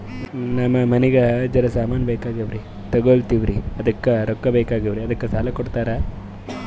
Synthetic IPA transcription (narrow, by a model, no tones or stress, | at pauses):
nɐmːɐmɐnɛɡed͡ʒɐɾɐsaːmaːnɐbeːkaːɡɐʋɾi | t̪ɐɡoɭt̪iʋɾiɐd̪ɐkːeɾɔkːɐbeːkaːɡɐʋɾiɐd̪ɐkːesaːlɐkɔɽt̪aːɾe